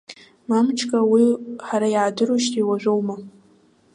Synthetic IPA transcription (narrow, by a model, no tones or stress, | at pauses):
mamt͡ʃʰkʼawiħaɾajʕadɨɾuʃtʰiwaʒʷᶣowma